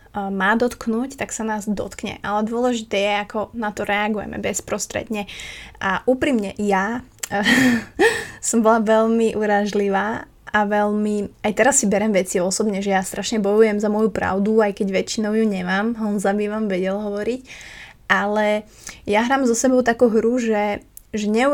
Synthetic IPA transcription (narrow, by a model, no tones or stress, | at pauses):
maːd̪ɔt̪knuːct̪aksanaːzd̪ɔ̰t̪kɲɛ̰ʔalɛd̪ʊɔlɛʒit̪ɛːjɛakɔnat̪ɔɾɛaɡujɛ̰mɛ̰bɛspɾɔst̪ɾɛ̰d̪ɲɛʔaʔuːpɾimɲɛja | sɔmbɔlaʋɛʎmiʔuɾaʒliʋaː | ʔaʋɛlmiajt̪ɛɾasːibɛɾɛmʋɛt͡siɔsɔbɲɛʒɛjast̪ɾʔaʃɲɛbɔjujɛmzamɔjupɾa̰ʊd̪uajkɛɟʋɛt͡ʃːinɔʊjuɲɛmaːmɦɔnzabiːʋamʋɛɟɛlɦɔʋɔɾicʔalɛ | jaɦɾaːmzɔsɛbɔʊt̪akuːɦɾuʒɛ | ʒɛɲɛu